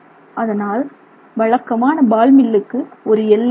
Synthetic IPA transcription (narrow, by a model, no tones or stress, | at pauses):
ʔɐðɐnaːl | ʋɐɻɐkːɐmaːnɐbaːlmɪlːɯkːɯɔɾɯɛlː